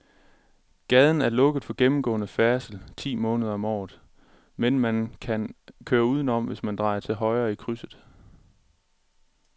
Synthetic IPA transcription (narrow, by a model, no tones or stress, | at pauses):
ɡ̥ɛð̞ˠn̩æɐlɔ̽ɡ̥əð̩ˠfɒ̽ɡ̥emm̩ɡ̥ɔ̰̽ːnəfæɐsəl̩t͡sʰḭːmɔ̽ːnəð̞ˠɐɒ̽mɒ̰ːð̩ˠ | menmænkʰænkʰøːɐuːð̞ˠən̩ɒ̽m̰ʋe̝smænd̥ʁɑ̈ɪɐt͡sʰe̝lɦɒ̽ɪɐːikʰʁysð̩ˠ